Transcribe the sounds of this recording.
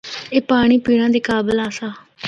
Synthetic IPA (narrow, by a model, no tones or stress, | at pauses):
eːpaːɽ̃iːpiːɽ̃ãːd̪iːkaːbəlaːsaː